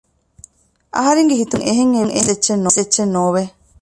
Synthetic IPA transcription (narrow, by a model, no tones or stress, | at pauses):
ʔɐ̰ɦɐɾeŋɡeɦit̪uŋʔeɦeŋːeŋʔḛset͡ʃːenːoset͡ʃːenːoːʋe